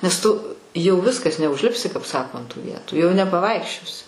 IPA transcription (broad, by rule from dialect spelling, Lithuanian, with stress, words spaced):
nʲɛs ˈtʊ jɛʊ ˈʋʲɪskɐs nʲɛʊʒʲˈlʲɪpʲsʲɪ kɐp ˈsɑːkoː ɐnt tuː ˈʋʲiɛtuː jɛʊ nʲɛpɐˈʋɐɪkʃʲt͡ʃʲoːsʲɪ